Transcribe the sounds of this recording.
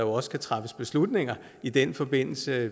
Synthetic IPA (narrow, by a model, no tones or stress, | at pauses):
ɑjoɒ̽sə̥kʰæt͡sʰʁɑfəsb̥e̝slud̥ne̝ŋ̰ɐ | id̥enfɒ̽b̥e̝n̰l̩sə